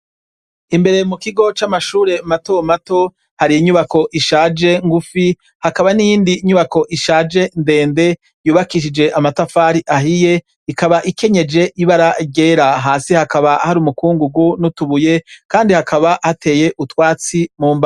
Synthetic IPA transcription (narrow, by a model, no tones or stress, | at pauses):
imbe̞ɾe̞mukiɡo̞t͡ʃamaʃuːɾe̞mato̞mato̞ | haɾijiɲuβako̞ʔiʃaːd͡ʒe̞ŋɡufi | hakaβanijiːndiːɲuβako̞ʔiʃaːd͡ʒe̞nde̞ːnde̞ | juːβakiʃ̬id͡ʒe̞ʔamatafaːɾiʔaɦije̞ | ikaβaʔike̞ɲe̞d͡ʒe̞ʔiβaɾaɟe̞ːɾaɦaːsihakaβahaɾumukuːŋɡuɡunutuβuje̞kaːndihakʰaβahatʰe̞ːje̞ʔutwaːt͡simuːmba